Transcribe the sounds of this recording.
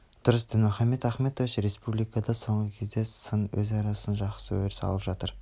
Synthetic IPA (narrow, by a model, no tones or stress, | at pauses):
d̪̥ʊɾəsd̪ɪnmʏχɑmːe̞t̪æχme̞t̪ovɪʃɾe̞spublˠijkɑd̪ɑso̞ɴʁəkʲʰe̞zd̪e̞sənwɵ̰zɑɾɑsənʒɑqsəɵ̰mɪɾsɑ̰lˠəpʒɑt̪əɾ